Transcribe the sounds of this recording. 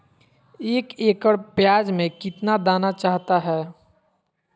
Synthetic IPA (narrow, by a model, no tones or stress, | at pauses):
eːkeːkəɽpjaːd͡ʒmẽkɪt̪nad̪aːnat͡ʃaːɦt̪aɦɛː